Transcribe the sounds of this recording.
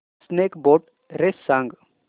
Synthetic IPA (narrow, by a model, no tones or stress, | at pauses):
snekboːʈ | ɾesaŋɡ